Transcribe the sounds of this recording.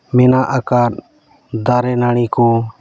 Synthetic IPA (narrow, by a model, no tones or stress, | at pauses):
mɛnaʔakaɾ̚ | d̪aɾɛnaɽ̃ikɔ